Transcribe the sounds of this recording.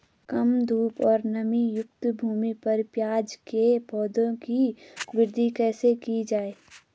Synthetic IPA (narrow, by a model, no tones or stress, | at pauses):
kɐmd̪ʱuːpɔːɾnəmijʊk̚t̪bʱuːmipɐɾpjaːd͡ʒkepɔːd̪õkiʋɪɾd̪ʱikɛːsekid͡ʒaːeː